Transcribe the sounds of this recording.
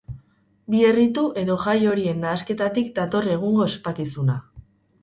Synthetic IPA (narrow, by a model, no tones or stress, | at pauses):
bie̞rit̪uʔe̞ðo̞ʝajo̞ɾie̞nːaːske̞t̪at̪ikd̪at̪o̞re̞ɣ̞uŋɡo̞espakisuna